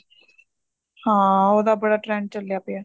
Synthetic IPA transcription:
hãːoːd̪abɐɽaːʈɾɛ̃ːɳɖ̚t͡ɕɐljaːpea

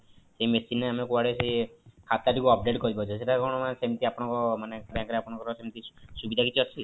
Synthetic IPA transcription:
seimesineamekuaɽesekʰat̪aʈikuɔp̚ɖeʈkɔɾibɔt͡ʃʰiseʈakɔɳ̃ɔmansemt̪iapɔɽ̃ɔ̃kɔmanebjãŋkɔɾeapɔɽ̃ɔ̃ŋkɔɾɔsemt̪isubid̪ʱakit͡ʃʰiɔt͡ʃʰi

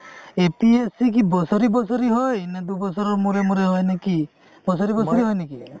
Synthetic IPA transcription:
epiesik̬ibɔsɔɾibɔsɔɾiɦɔjned̪ubɔsɔɾɔɾmuɾemuɾeɦɔjneki | bɔsɔɾibɔsɔɾiɦɔjneki

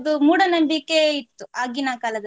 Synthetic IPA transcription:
d̪umuːɽɐnɐmbikːeit̪ːuaːɡinakaːlɐd̪ɐ

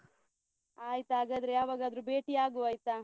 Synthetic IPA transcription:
aːjt̪aːɡaːd̪ɾejaːʋaːɡaɐd̪ɾubeːʈiaːɡuaːjt̪a

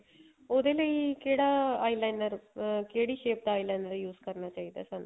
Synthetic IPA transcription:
oːd̪eːləiːkeːɽaːaːilaːnəɾkeːɽiːʃeːp̚d̪aːilaːnəɾjuːzkəɾnaːt͡ʃaːiːd̪a̰ːsaːnṵː

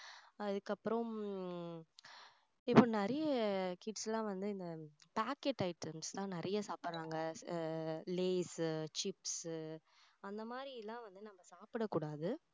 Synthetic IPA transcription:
ɐðɯkːɐpːɯɾɔ̃ | ɪpːoːnɛɾɐjɐkɪʈsɛlãːʋɐnd̪ɯɪnd̪ɐpaːkeʈːɐɪʈːɐmst̪ãːnɪɾʔɐjɐsaːpɪɾɾaːŋɡɐ | leːst͡ʃɪps | ɐnd̪ɐmaːd̪ɾɪɪlːãːʋɐnd̪ɯnɐmːɐsaːpɪɽɐkːuːɽaːðɯ

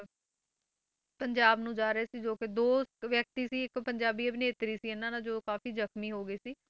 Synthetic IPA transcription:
pəɲd͡ʒaːbnũːd͡ʒaːɾəeːsiːd͡ʒoːkɪd̪oːʋjək̚t̪iːsiːɪkpəɲd͡ʒaːbiːebɪneːt̪ɾiːsiːɪnãːnad͡ʒoːkaːfiːzəkmiːɦoːɡəiːsiː

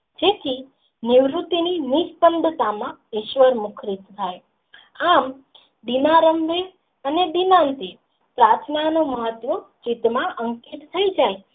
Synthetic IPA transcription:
d͡ʒet̪ʰi | nɪʋɾut̪ininiʃpənd̪ʱət̪amãiʃʋəɾmʊkʰɾit̪t̪ʰaj | am | d̪inaɾəmʋe | əned̪inãnt̪i | pɾat̪ʰnanoməɦət̪ʋət͡ʃit̪mãʔəŋkit̪t̪ʰəid͡ʒaj

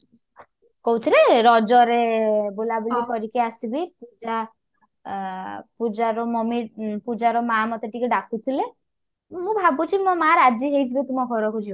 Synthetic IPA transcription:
kɔɦut̪ʰileɾɔd͡ʒɔɾebolabulikɔɾikeasibipud͡ʒa | pud͡ʒaɾɔmɔmipud͡ʒaɾɔmamɔt̪eʈikeɖakʰut̪ʰile | mũbʱabut͡ʃʰimɔmaɾad͡ʒiɦejt̪ʰibet̪umɔɡʱɔɾɔkʰut͡ʃʰi

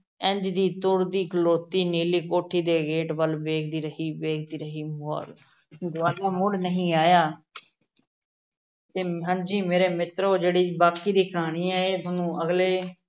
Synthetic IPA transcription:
ɛ̃ɲd͡ʒd̪iːt̪ʊɾd̪iːkloːt̪iːniːliːkoːʈʰiːd̪eːɡeːʈbəlbeːkʰd̪iːɾəɦiːbeːkʰd̪iːɾəɦiːmoɾ | d̪aːɾaːmʊɽnəɦĩːaːjaː | t̪eːɦãːnd͡ʒiːmeːɾeːmɪt̪ɾoːd͡ʒeːɽiːbaːkiːd̪iːkʰaːɽ̃iːɛːeːmʊnũːəɡleː

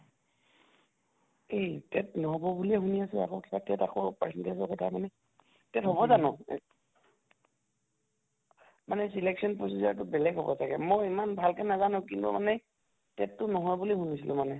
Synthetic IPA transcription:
ejtɛtnɔɦɔbɔbuliɛɦuniasɛa̰kokibatɛtakɔpasɛntesɔkɔtʰamanɛ | tɛtɦɔβɔzanɔ | manɛsilɛksɔnpɹɔsizaɹtʊbɛlɛɡɦɔbɔ̰sakɛmɔjimanbʱalkɛnazanʊ̃kintṵma̰nɛ | tɛtːʊnɔɦɔjbulihunisilʔʊmanɛ

